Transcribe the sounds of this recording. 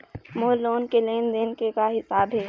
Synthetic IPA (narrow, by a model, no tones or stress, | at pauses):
moːloːnkeleːnd̪eːnkekaɦɪsaːbɦɛː